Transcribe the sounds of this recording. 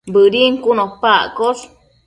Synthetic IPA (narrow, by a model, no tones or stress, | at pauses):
bəɾiŋkunohpaʔkoʂ